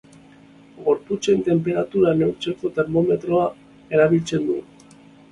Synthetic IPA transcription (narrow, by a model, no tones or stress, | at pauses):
ɡo̞ɾput͡se̞nt̪e̞mpe̞ɾat̪uɾane̞wɾt͡se̞ko̞t̪e̞ɾmo̞me̞t̪ɾo̞a | e̞ɾaβ̞ilt͡se̞nd̪u